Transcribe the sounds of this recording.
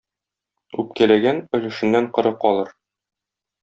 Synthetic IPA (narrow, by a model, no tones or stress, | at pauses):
ʉp̚kælæɡænɵ̆lɘ̆ʃɘ̆nːæɴqɤ̆ɾɤqɒlˠɤɾ